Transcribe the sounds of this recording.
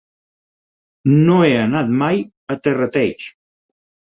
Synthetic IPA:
noeənat̪̚maj | ət̪erət̪ɛt͡ʃ

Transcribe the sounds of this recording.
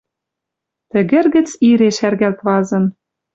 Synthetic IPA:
t̪ɘ̆ɣɘ̆rɣɘ̆t͡siɾeʃærɣælt̪βɑzɤ̆n

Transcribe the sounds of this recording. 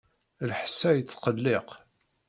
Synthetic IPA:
lħəsːæjət͡sːqəlːeq

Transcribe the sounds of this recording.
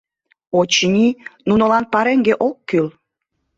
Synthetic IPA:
ot͡ɕnʲinunolɑnpɑɾeŋɡeʔokːyl

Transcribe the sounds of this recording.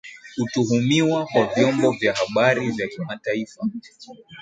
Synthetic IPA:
hutuɦumiwakwavjɔmbɔvjahaɓaɾivjakimataifa

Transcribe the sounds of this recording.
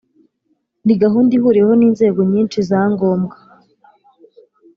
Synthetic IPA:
niɡaɦuːndihuːɾiɾeho̞niːnze̞ːɡo̞ɲiːnt͡ʃizaːŋɡo̞ːmɡḁ

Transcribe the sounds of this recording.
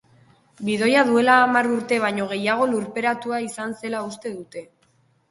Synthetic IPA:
biðo̞jaðue̞laːmaruɾt̪e̞β̞ajɲo̞ɣ̞e̞jaɣ̞o̞luɾpe̞ɾat̪uaisanse̞laust̪e̞ðut̪e̞

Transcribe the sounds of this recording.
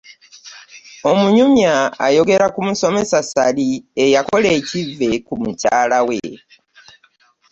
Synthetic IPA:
o̞muɲumja̰ːjo̞ɡe̞ɾakumuso̞me̞sasaliejako̞le̞ːcive̞kumucaːlawḛ

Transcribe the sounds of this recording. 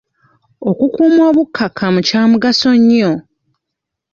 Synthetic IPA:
o̞kukuːmwoːβukʰːakʰamucaːmuɡaso̞ɲːo

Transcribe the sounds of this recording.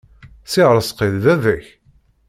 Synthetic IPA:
sɪʁɾˤəsqeððæðæç

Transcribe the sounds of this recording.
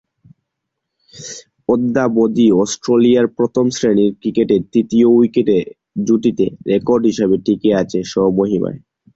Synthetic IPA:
od̪ːabod̪iɔsʈɾoliaɾpɾot̪ʰomsɾeniɾkɾikeʈet̪ɾit̪iouikeʈe | d͡ʑuʈit̪eɾekoɾɖɦiʃabeʈikeat͡ɕʰeʃɔɦomoɦima̰e

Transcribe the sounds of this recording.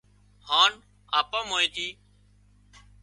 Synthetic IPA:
haːn | aːpãːmoːeːt̪ʰiː

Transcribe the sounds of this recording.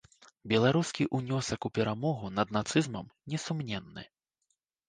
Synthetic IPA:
bʲɛlˠaɾuskʲiʔunʲɔsɐkupʲɛɾʔamɔɣunɐd̪nat̪sɨzmɐmnʲɛsumnʲɛnːɨ̰

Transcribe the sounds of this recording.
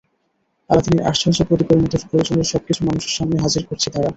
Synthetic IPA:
alad̪ʱiniɾʔa̰ʃt͡ɕʰonʃopɾot̪ikoɾmit̪eɾpɾoɾod͡ʑoneɾʃɔb̚kit͡ɕʰumanuʃeɾʃamneɦad͡ʑiɾkoɾt͡ɕʰet̪aɾa

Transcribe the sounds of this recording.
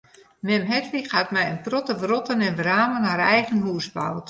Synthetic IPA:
mɛmɦɛtrixhatmɛjənprɔtəʋrɔtənɛnʋraːmənɦaɾɛjɣənɦuəsba̰wt

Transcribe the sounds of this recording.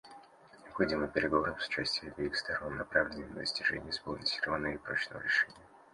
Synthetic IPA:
nʲɪɐpxɐdʲiməpʲɪɾʲɪɡɐvoɾəmsʊ̥t͡ɕæsʲtʲɪjəbʲɪixst̪ɐronːɐpɾavlʲɪnəmd̪ə̰sʲtʲɪʐɛ̰nʲɪjəspolˠnʲəsʲirvənːəipɾo̞t͡ɕnəvə̰ɾʲɪʂɛnʲɪjə

